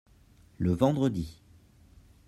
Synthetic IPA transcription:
ləvɑ̃d̪ʁəd̪i

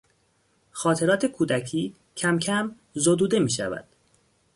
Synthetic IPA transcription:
xɒːt̪ʰe̞ɾɒːt̪ʰe̞kʰuːd̪æcʰiː | cʰæmcʰæm | zod̪uːd̪e̞miːʃæ̰væ̰d̪̥

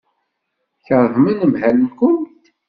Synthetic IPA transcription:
çəɾˤvmənəmhælənkʊntt̪

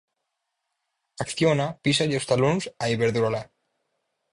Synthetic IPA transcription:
akθjonapisaʎewst̪alonsaiβeɾðuɾala

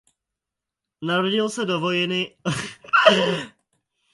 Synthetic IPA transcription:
naɾoɟilsɛd̪ovojɛnɪ

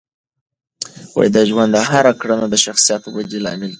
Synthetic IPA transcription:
wa̰jd̪aʒwand̪aɦaɾakɽənad̪əʃaxsijɑt̪owadilɑ̰mɪl

